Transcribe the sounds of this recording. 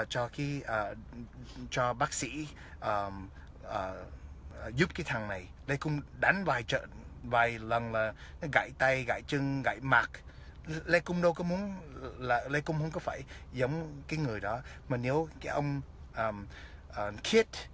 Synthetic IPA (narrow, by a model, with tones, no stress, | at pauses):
t͡ɕɔ˧xi˨˦əː˨˩ | t͡ɕɔ˧ɓaː˦˥k̚sḭ˧˥ | ʔəː˨˩ | ʔəː˨˩˨ | zʊ˦˥p̚kaː˨˦jt̪ʰa˨˩ŋna˨˩j | le˧kʊ˧ŋ͡mɗa˨˦ŋvaː˨˩jt͡ɕə̰ː˧˨nvaː˨˩jlə˨˩nlaː˨˩nɔ˨˦ɣa̰ː˧˨jt̪a˧jɣa̰˧˨jt͡ɕɨ˧ŋɣa̰˧˨jmaː˨˩k̚ | le˧kʊ˧ŋ͡mɗə˧wkɔ˨˦mu˨˦ənlaː˨˩le˧kʊ˧ŋ͡mhə˧wŋ͡mkɔ˨˦faː˧˩jzə˨˦wŋ͡mkaː˨˦jŋɨ˨˩əjɗɔ˨˦maː˨˩ne˨˦wkaː˨˦jʔə˧wŋ͡m | ʔəː˨˩ | ʔəː˨˩kʰi˦˥ət̚